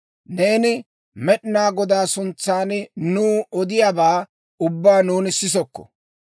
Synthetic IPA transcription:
neːnɪ | mɛɗɪnaːɡɔd̪aːsʊnt͡sːaːnnuːɔd̪ɪjaːbaː | ʊbːaːnuːnɪsɪs̬ɔkːɔ̥̰

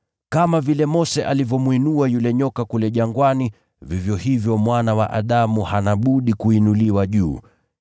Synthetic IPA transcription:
kamavilɛmɔsɛʔalivjɔmwinuajulɛɲɔkakulɛʄaŋɡwani | vivjɔhivjɔmwanawa̰ʔaɗamuhanaɓuɗikuinuliwaʄuː

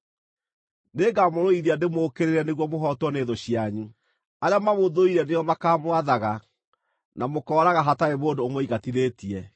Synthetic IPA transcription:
neːɡamoɾoiðiandemoːkeɾeɾɛneɣwɔmoɦɔtwɔneːðoɕiaɲu | aɾeamamoðoiɾɛnejɔmakaːmwaðaɣa | namokɔːɾaɣaɦataeβoːndoːmoiɣatiðeːtiɛ

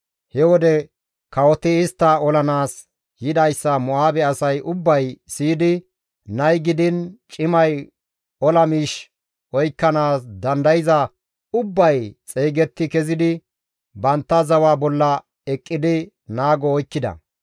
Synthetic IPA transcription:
hɛwɔd̪ɛ | kɐwɔt̪ɪɪst̪ːɐɔlɐnaːs | jɪd̪ɐjsːɐmɔaːbɛɐsɐjʔʊbːɐjsiːd̪ɪ | nɐjɡɪd̪ɪnt͡ʃʼɪmɐj | ɔlɐmiːʃ | ɔjkːɐnaːsd̪ɐnd̪ɐjɪzɐ | ʊbːɐjt͡sʼeːɡɛt̪ːɪkɛzɪd̪ɪ | bɐnt̪ːɐzɐwaːbɔlːɐ | ɛkʼːɪd̪ɪ | naːɡɔɔjkːɪd̪ɐ̰

